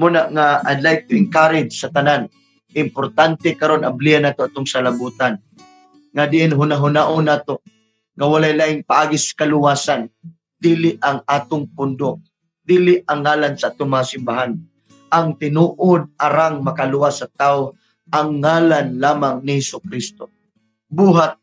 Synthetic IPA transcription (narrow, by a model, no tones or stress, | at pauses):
munaʔŋaa̰d̪lajɡ̚t̪ʊʔɪŋkaːɾɪd̪sɐt̪ɐnan | ʔɪmpʊɾt̪ant̪ɛkɐɾonʔɐblianːaːt̪oʔaːt̪oŋsalabut̪an | ŋad̪ɪʔɪnɦʊnaɦʊnaʔʊnaːt̪o | ŋawalajlaʔɪŋpaʔaːɡɪsḁkalʊwaːsan | d̪̥iːlɪʔʔɐŋaːt̪oŋpʊnd̪o | d̪iːlɪʔɐŋːaːlansaʔaːt̪oŋmɐŋasɪmbaɦan | ʔɐŋt̪ɪnuːʔʊd̪̚ʔaɾaŋmɐkalʊwasːɐt̪aːʊ | ʔɐŋːaːlanlaːmaŋnɪhɛsʊkɾist̪o | buːɦat̪̚